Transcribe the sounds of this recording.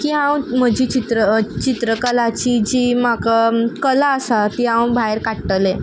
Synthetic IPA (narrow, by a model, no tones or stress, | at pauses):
kiːɦãw̃m̤əd͡ʑiːt͡ɕit̪ɾət͡ɕit̪ɾəkəlat͡ɕiːd͡ʑiːmakakəlaəsat̪iɦãwbʱaeɾkaʈʈle